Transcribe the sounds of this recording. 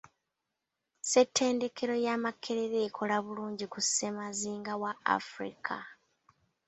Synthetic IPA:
se̞tːe̞ːnde̞kʰe̞ɾo̞jamakʰːe̞ɾeɾe̞ːkʰo̞laβuluːɲɟikuse̞maziːŋɡawaa̰fɾḭkʰa

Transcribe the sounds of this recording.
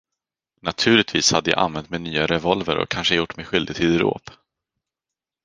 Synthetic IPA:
nat̪ʰʉ̟ːɭɪt̪viːshad̪ːəja̰ʔa̰nvɛnt̪menyːaɾɛvɔlvəɾɔ̰kʰanʂəjʊʈːmɛɧʏld̪ɪɡt̪ʰɪd̪ɾo̰ːp

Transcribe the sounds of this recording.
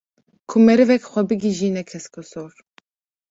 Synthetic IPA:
kʰumɛɾɨvɛkxʷɛbɨɡiʒiːnɛkʰɛskɔsoːɾ

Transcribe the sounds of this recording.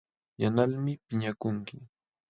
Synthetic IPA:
janalmɪpɪɲakʊŋkɪ

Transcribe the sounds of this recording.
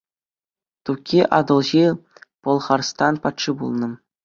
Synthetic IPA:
t̪ukʲːiʔɑd̪ɤ̆lˠʑipɤ̆lˠχɑrst̪ɑnpɑt̪ʂibṵlˠnɤ̆

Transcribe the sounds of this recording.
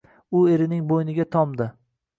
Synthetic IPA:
ʊe̞ɾɪnɪŋbojnɪɡʲat̪ʰɒmd̪ɪ

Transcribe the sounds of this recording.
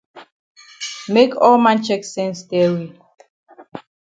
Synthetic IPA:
mekɔlmãnt͡ʃɛksɛ̃nsdɛwi

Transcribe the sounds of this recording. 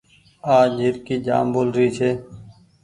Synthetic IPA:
aːd͡ʒɪɾkiːd͡ʒa̰ːmboːlɾiːt͡ʃʰeː

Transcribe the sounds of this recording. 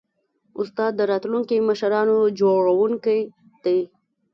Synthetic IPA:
ʊst̪ɑd̪ːəɾɑt̪luŋkiməʃɾɑnod͡ʒoɽawuŋkaj | d̪̥aj

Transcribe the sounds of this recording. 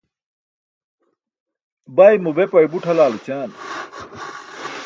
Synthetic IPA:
bɐjmubepɐjibuʈʰɐlaːlut͡ɕaːn

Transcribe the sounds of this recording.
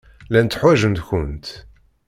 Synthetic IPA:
lænt̪ːħwæʒənt̪çʊnt̪

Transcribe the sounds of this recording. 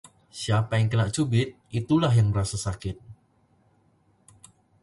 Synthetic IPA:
siapajaŋkənaʔt͡ʃubɪt̪̚it̪ulahjaŋməɾasasakɪt̪̚

